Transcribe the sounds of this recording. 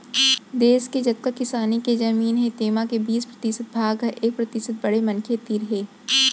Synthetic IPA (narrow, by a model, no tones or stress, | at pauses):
d̪eːsked͡ʒɐt̪̚kəkɪsaːniked͡ʒɐmiːnɦɛ̃t̪eːmakebiːspɾɐt̪ɪsət̪̚bʱaːɡɦɐʔeːk̚pɾɐt̪ɪsət̪̚bɐɽemɐnkʰet̪iːɾɦeː